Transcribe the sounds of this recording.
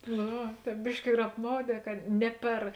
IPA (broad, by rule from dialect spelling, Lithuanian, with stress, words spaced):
noː ˈʋɐ ˈtʲɛːp ˈbʲɪʃʲkʲɪ ɪr ɐpˈmɐʊˌdʲɛː kɐt ˈnʲɛ pʲɛr